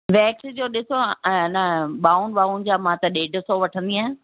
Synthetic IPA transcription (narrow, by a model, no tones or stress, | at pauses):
ʋɛːksid͡ʑoːɗɪsonəɓaːuɳɖɓaːʊɳd͡ʑaːmãːt̪ɐɗeːɖʱəsoʋɐʈʰə̃nd̪iaːɦẽ